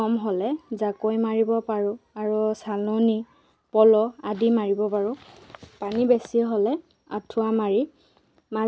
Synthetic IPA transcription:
ɔmɦɔlɛzakojmaɹibɔpaɹʊaɹusaloni | pɔlɔadimaɹibɔpaɹʊ̃panibesiɦɔlɛ | a̰tʰʊamaɹi | ma

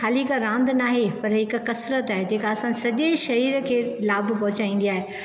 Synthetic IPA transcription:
xaːlikaɾãːnd̪naːɦepɐɾɦɪkkɐsɾət̪aːɦed͡ʑeːkaɐsãsɐʄeʃɐɦiːɾəkʰeːlaːbpɐɦʊt͡ɕaːĩːn̆d̪iaːɦe

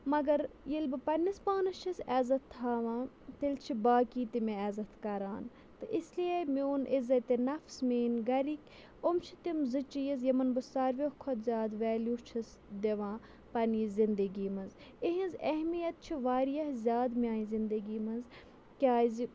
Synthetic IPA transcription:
mɐɡɐɾjilbɨpɐnːispaːnɨt͡ʃʰisɛːzɐt̪ʰːaːʋãː | t̪elt͡ʃʰibaːkiːt̪imẽɛːzɐt̪ʰkɐɾaːn | t̪ɨʔislijemʲoːnʔizɐt̪enɐfsmeːnɡɐɾikʲ | omt͡ʃʰi̥t̪imzɨt͡ʃijɐzjɐmɐnbɨsaɾʋʲehkʰod̪zʲaːd̪ʋɛːljuːt͡ʃʰis | d̪eʋãː | pɐniːzind̪ɐɡiːmɐziɦĩnzɐɦmijɐt̪̚t͡ʃʰiʋaːɾijɐhzʲjaːd̪mʲãːĩzind̪ɐɡiːmɐz | kʲaːzi

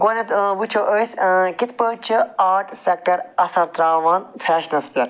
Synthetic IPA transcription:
ɡonɐt̪but͡ʃʰoʔəːsʲkit̪pət͡ʃʰɨaːʈʰsek̚ʈɐɾɐsɐɾt̪ɾaːʋaːnfʰʲɛːʃnɐspʲɐɾ

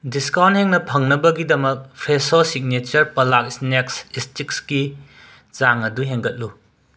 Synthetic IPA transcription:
diskawntheŋnɐpʰɐŋnɐbɐɡidɐmɐk̚pʰɾesosik̚net͡ʃɐɾpɐlak̚isneksistik̚ski | t͡ʃaŋɐduɦeŋɡɐt̚lu

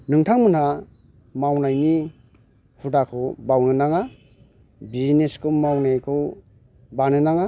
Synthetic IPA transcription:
nɯŋtʰaŋmɯna | mawnajni | hudakʰɯwbawnɯnaŋa | bizneskʰɯwmawnajkʰɯw | banɯnaŋa

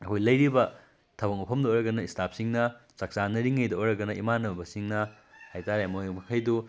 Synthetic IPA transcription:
ɐkʰojlɐjɾibɐ | tʰɐwɐŋupʰɐmdojɾɐɡɐnɐistʰap̚siŋnɐt͡ʃɐk̚sanɐɾiŋːɐjdɐojɾɐɡɐnɐʔimanɐbɐsiŋnɐ | hajtaɾemojmɐkʰajdu

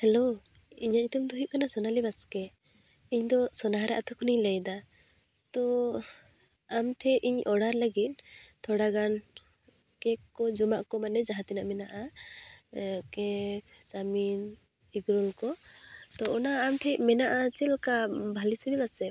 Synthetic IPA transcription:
hɛlo | iɲait̪umd̪uɦiʔ̚kanasɔnalibaskɛ | iɲd̪ɔsɔnaɦɾɛʔat̪ʰɔkʰɔniɲləjd̪a | t̪ɔ | amʈ̪ʰɛʔiɲʔɔɽaɾlaɡit̪̚ˀt̪ʰɔɽaɡan | kɛkːɔd͡ʒɔmaʔkɔmanɛd͡ʒaɦat̪inaʔmɛnaʔa | kɛsamin | iɡɾɔlkɔt̪ɔʔɔnaːmt̪ʰɛmɛnaʔat͡ʃɛlkabʱalisilibasɛ

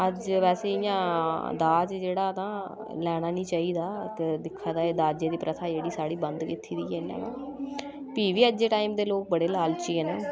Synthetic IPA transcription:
əd͡ʒʋɛːseːɪjãːd̪aːd͡ʒd͡ʒeːɽaːt̪ãː | lɛːɽ̃aːnĩːt͡ʃaːiːd̪aːkd̪ɪkʰːaːd̪aːeːd̪aːd͡ʒeːd̪iːpɾət̪ʰaːd͡ʒeːɽiːsaːɽiːbənd̪kɪt̪ʰːiːd̪iːɦɛna̰ːnaː | piːʋiːəd͡ʒeːʈaːiːmd̪eːloːk̚bəɽeːlaːlt͡ʃiːɦːnaː

